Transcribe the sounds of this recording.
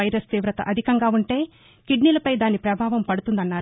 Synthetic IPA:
ɐjɾɐst̪iːʋɾɐt̪ɐ̰ʔɐd̪ʱikɐŋɡaːuɳʈe̞ː | kiɖnilɐpɐjd̪aːnipɾɐbʱaːʋɐmpɐɽut̪und̪ɐnːaːɾ

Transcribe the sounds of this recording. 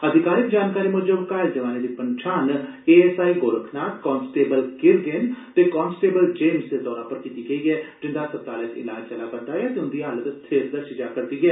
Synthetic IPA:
əd̪ʱɪkaːɾɪkd͡ʒaːnkaːɾiːmʊd͡ʒəbkaːɪld͡ʒəʋaːneːd̪iːpəɲt͡ʃʰaːneːɛːsaːiːɡoːɾəkʰnaːt̪kɔːnsʈeːbəlkɪɾɡent̪eːkɔːnsʈeːbəld͡ʒeːmsd̪eːd̪ɔːɾãːpəɾkiːt̪iːɡəiːɛːʈɪ̃nd̪aːsəp̚t̪aːleːkɪ̰laːd͡ʒt͡ʃəlaːkəɳd̪aːɛːt̪eːʊ̃nd̪iːɦələt̪t̪ʰeːɾd̪əɾʃiːd͡ʒaːkəɾd̪iːɛː

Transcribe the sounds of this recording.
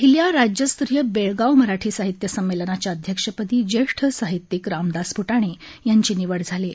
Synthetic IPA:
pɦiljaɾad͡ʑjəst̪ɾijəbeɭɡawməɾaʈʰiːsaɦit̪jəsəmːelənat͡ɕjaəd̪ʱjəkʂəpət̪iːd͡ʑeʂʈʰəsaɦit̪ːikɾamd̪aspuʈaɽ̃ejaɲt͡ɕiːniʋəɽd͡zʱale

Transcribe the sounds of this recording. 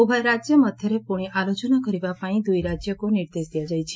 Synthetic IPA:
obʱajɾad͡ʒjəmət̪jəɾepuɽ̃iʔalod͡ʒənakəɾiʋapaɽ̃id̪ujɾad͡ʒjəkoniɾd̪esd̪ʱijad͡ʒəjt͡ʃʰe

